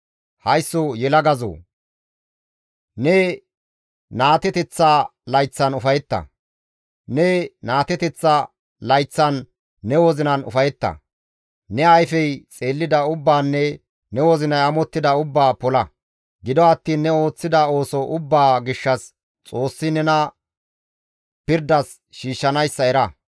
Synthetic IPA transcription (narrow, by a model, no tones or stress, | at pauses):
hɐjsːɔjɛlɐɡɐzo̰ː | nɛ | naːt̪ɛt̪ɛt͡sːalɐjt͡sːɐnʊfɐjɛt̪ːɐ̰ | nɛnaːt̪ɛt̪ɛt͡sːa | lɐjt͡sːɐnː | ɛwɔzɪnɐnʊ̰fɐjɛt̪ːɐ̰ | nɛɐjfɛjt͡sʼe̞ːlːɪd̪ɐʊbːaːnːɛ | nɛwɔzɪnɐjɐmɔt̪ːɪd̪ɐʊbːaːpɔlɐ | ɡɪd̪ɔɐt̪ːiːnːɛo̞ːt͡sːɪd̪ɐo̞ːsɔʔʊbːaːɡɪʃːɐs | t͡sʼo̞ːsːɪnɛnɐ | pɪɾd̪ɐs | ʃiːʃːɐnɐjsːɐɛɾɐ